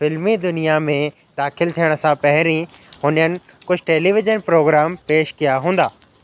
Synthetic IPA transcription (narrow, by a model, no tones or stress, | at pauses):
fɪlmid̪ʊnijamẽ | d̪aːxɪlt̪ʰijəɽ̃sãpɐɦɪɾĩhʊnənɪ̆ | kʊd͡ʑʱʈeːliːʋɪd͡ʒənpɾoːɡɾaːmpeːʃkijaɦũːn̆d̪aː